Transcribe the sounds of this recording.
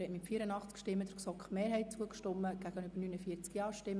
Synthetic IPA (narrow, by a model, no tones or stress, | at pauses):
hɛtmɪttfiːɾənɑχt͡skʃtɪmːəd̪̥əɾksɔkχmeːɾɦɛɪtt͡suəkʃtɔmːəɡ̥æɡ̥ənyb̥əɾnynəfiːəɾt͡skjɑːʃtɪmː